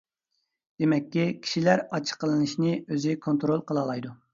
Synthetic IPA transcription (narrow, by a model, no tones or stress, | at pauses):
d̪̥emɛkʲːikʲʰi̥ʃilæɾɑt͡ʃʰə̥qəlˠɨnɨʃnɪøzɪkʰont̪ɾolˠqʰəlˠɑlˠɑjd̪u